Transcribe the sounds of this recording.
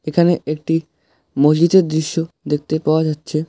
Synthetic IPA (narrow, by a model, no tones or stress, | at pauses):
ekʰaneek̚ʈi | mod͡ʑid̪eɾd̪ɾiʃːo | d̪ek̚t̪epaoad͡ʑatːɕʰe